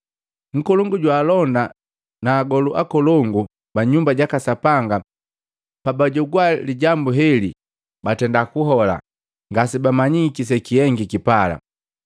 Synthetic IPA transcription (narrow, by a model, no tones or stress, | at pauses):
ŋ̩kɔlɔŋɡuɟwaːlɔnda | naːɡɔluʔakɔlɔŋɡu | baɲumbaɟakasapaŋɡa | pabaɟɔɡwaliɟambuɦɛli | batɛndakuɦɔla̰ | ŋɡasibamaɲikis̬ɛkiɛŋɡikipala̰